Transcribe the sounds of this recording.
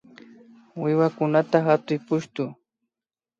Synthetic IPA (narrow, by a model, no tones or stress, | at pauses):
wɪwakʊnat̪aɦat̪ʊjpʊʃt̪ʊ